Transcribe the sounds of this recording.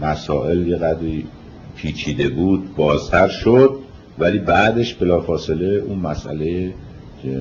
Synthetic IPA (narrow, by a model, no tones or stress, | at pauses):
mæsɒːʔe̞ljeɣæd̪ɾiː | pʰiːt͡ʃʰiːd̪e̞buːd̪̚bɒːzt̪ʰæɾʃod̪̚ | væliːbæːd̪e̞ʃbe̞lɒːfɒːse̞le̞unmæsʔæ̰le̞je | e